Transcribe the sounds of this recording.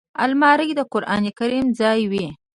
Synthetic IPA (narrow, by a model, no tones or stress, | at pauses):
a̰lmɑɾəɡd̪əqʊɾʔɑ̰nikaɾimd͡zɑjwi